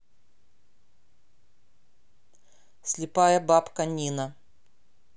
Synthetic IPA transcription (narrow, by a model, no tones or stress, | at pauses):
sʲlʲɪpajəbapkɐnʲinɐ